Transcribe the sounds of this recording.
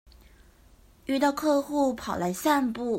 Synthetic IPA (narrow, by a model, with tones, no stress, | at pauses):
y˥˧t̪ɑ˥˧ʊkʰɤ˥˧xu˥˩pʰɑ˨˩ʊla˧˥ɪsa˥˧npu˥˩